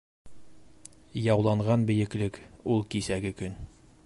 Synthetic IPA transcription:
jɒwlˠɑɴʁɑnbɘ̆jɘ̆klɘkulˠkisæɡɘkɵn

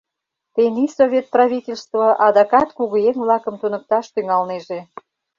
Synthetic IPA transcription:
t̪enisovʲet̪̚prɑβʲitʲelʲst̪voʔɑd̪ɑkɑt̪kuɣueŋβlɑkə̆mt̪unək̚t̪ɑʃt̪yŋɑlneʒe

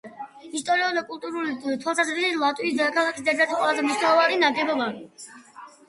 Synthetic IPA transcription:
ist̪ʼɔɾiud̪akʼulˠt̪ʼuɾulit̪ʰwalˠsazɾisilˠat̪ʼwiisd̪akʰalˠakʰisd̪ɛɾd̪at̪ʰiqʼwɛlˠazɛmniʃnaɔvaninaɡɛbɔba

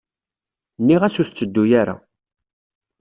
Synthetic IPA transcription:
nːiʁæsuθt͡sːəd̪ːujaɾa̰

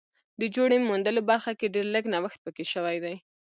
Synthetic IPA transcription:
d̪əd͡ʒoɽemund̪əlobaɾxakeɖeɾləɡnawəxt̪̚pəkeʃəwajd̪aj

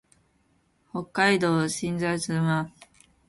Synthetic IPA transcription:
ho̞kːaid̪oːɕĩnd͡zaisɨma

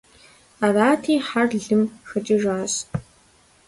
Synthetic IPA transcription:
araːtʰiːħarɮɨmxɐt͡ʃʼiʒaːɕ

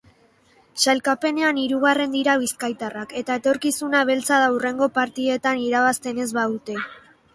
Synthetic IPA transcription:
salkape̞ne̞aniɾuɣare̞nd̪iɾaβ̞iskajt̪arake̞t̪ae̞t̪o̞ɾkisunaβ̞e̞lt͡saðaure̞ŋɡo̞paɾt̪ie̞t̪aniɾaβast̪e̞ne̞zβaðut̪e̞

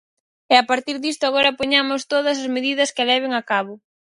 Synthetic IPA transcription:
ɛapaɾt̪iɾðist̪ʊaɣ̞oɾɐpoɲamʊst̪oðɐs̬ɐzmeðiðɐskɪlɛβɪŋakaβʊ

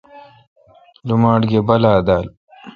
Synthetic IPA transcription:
lumaːʈɡebɐlaːd̪aːl

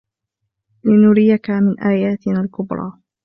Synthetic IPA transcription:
lɪnʊɾɪjakamɪnʔaːjaːt̪ɪnaːlkʊbɾˤɑ̰ː

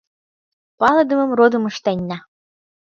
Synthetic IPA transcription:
pɑlɤ̆d̪ə̆mɤ̆mrod̪ɤ̆məʃt̪enʲːɑ

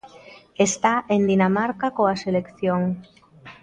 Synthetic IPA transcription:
est̪aʔend̪inamaɾkakoaselekθjoŋ

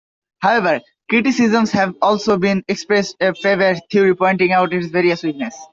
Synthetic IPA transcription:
haʊeʋəɾ | kɾiʈisizə̃mshɛʋɔːlsoːbĩnekspɾesʈefeʋəɾt̪ʰiuɾipɔ̃ɪ̃ɳʈĩŋaʊʈɪʈsʋeɾiəsipnes

